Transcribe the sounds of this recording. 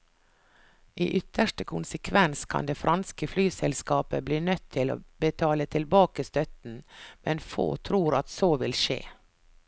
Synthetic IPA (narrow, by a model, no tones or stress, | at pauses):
ʔiːʔʏt̪ʰəʂʈəkʰʊnsəkʰʋɛnskʰɑ̰nd̪eːfɾʔɑnskəflyːsɛlskɑːpəbliːnœt̪ʰːɪlo̰ːbət̪ʰɑːlət̪ʰɪlbɑːkəst̪œt̪n̩mɛnfo̰ːt̪ʰɾuːɾɑt̪soːʋɪlʃḛː